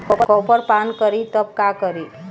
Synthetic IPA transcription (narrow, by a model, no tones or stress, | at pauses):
kɔkɔpəɾpankəɾit̪əp̚kakəɾi